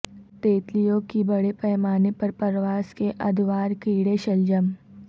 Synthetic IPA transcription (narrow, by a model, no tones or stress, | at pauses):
t̪eːt̪lijõkibɐɽepɛːmaːnepɐɾpɐɾʋaːskeʔɐd̪ʱʋaːɾkiːɽeʃɐld͡ʒəm